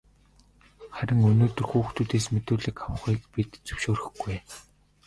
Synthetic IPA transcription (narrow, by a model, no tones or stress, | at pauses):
χæɾʲɪ̆ŋɵnoːt̪ɵ̆rxuːxt̪ʰuːt̪eːsmet̪oːɮĭkaw̆χiːk̚pit̪t͡sɵ̥wʃoːrɘ̆xɡuj